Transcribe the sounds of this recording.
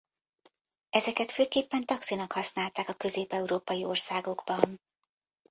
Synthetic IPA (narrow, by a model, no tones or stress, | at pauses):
ɛzɛkɛt̪føːkeːpːɛnt̪ɒksinɒkhɒsnaːlt̪aːkɒkø̞zeːpɛuɾoːpɒjio̞rsaːɡo̞ɡbɒn